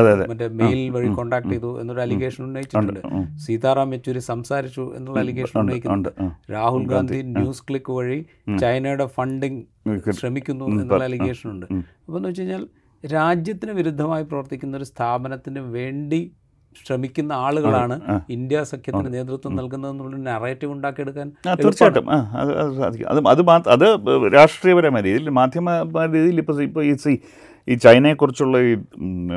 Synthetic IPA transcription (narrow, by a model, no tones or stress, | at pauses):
ɐemɐndemejlʋɐɻiko̞ɳɖaːk̚ʈːejðuenːoɾɐliɣe̞ːʂɐnunːɐjit͡ɕːiʈːuɳɖɨsiːt̪aːraːmʋet͡ɕːo̞ɾusɐmsaːɾit͡ɕːuḛnːuɭːɐɐliɣeːʂɐnuːɐːjikʲːuɐðɾaːhulɡaːnd̪ʱijnjuːskɭikːɨʋɐɻi | t͡ɕɐjnɐjuɽe̞fɐɳɖiŋ | ɕrɐmikʲːunːue̞nːɭːɐliɣe̞ːʂɐnuɳɖɨ | ɐpːoenːuʋɐt͡ɕːɐejiɲːaːl | ɾaːd͡ʑjɐt̪ːinɨʋiɾud̪ʱːɐmaːjiprɐʋɐrt̪ikʲːunːɐo̞ɾust̪ʰaːbɐnɐt̪ːinɨʋe̞ːɳɖi | ɕrɐmikʲːunːɐaːɭuɣɐɭaːɳɨːind̪jasɐkʰjɐt̪ːinene̞ːt̪̬rut̪ːwɐmnɐlk̬unːɐðenːuɭːnereːʈːiʋuɳɖaːkijeɽukːaːnaːt̪irt͡ɕːaːʈːɐ̰mʔaːɐ̰ðɨɐ̰ðɨsa̰ːd̪ʱikʲːṵmɐ̰ðɨɐðɨmaːt̪ɐ̰ðɨɾaːʂʈrijɐbɐɾaːmaːɾiːðijilmaːd̪ʱjɐmɐɾiːðijilipːoipːoiːsi | iːt͡ɕɐjnɐekːurit͡ɕːuɭːɐiː